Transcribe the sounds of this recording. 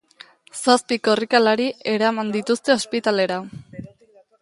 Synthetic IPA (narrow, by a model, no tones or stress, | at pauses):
saspiko̞rikalaɾie̞ɾamand̪it̪ust̪e̞ospit̪ale̞ɾa